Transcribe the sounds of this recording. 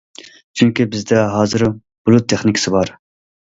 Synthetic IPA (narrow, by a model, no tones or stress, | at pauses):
t͡ʃʰyŋkʲibɪzd̪ɛɦɑːzɨɾ | b̥ulˠut̪ʰːeχnɪkʲʰsɨbɑɾ